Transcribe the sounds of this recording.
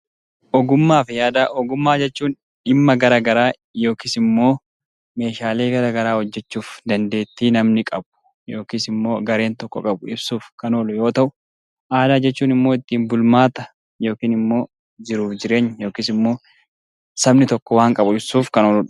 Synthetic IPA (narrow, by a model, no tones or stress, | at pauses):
ʔɔɡʊmːaːfɪjaːd̪aːʔɔɡʊmːaːd͡ʒɛt͡ʃːuːn | ᶑɪmːɐɡɐɾɐɡɐɾaː | jo̞ːkɪsɪmːo̞ː | me̞ːʃaːle̞ːɡɐɾɐɡɐɾaːhɔd͡ʒːɛt͡ʃːuːfd̪ɐnd̪e̞ːt̪ːiːnɐmnɪkʼɐbʊ̥ | jo̞ːkisɪmːo̞ːɡɐɾe̞ːnt̪ɔkːɔkʼɐbʊɪbsuːfkɐnoːlʊjo̞ːt̪ɐʔʊ | ʔaːd̪aːd͡ʒɛt͡ʃːuːnɪmːoːɪt̪ːiːmbʊlmaːt̪ɐ | jo̞ːkiːnɪmːo̞ː | d͡ʒɪɾuːfd͡ʒɪɾe̞ːɲːjo̞ːkiːsɪmːo̞ː | sɐbnɪt̪ɔkːɔwaːŋkʼɐbʊɪbsuːfkɐnoːlʊᶑ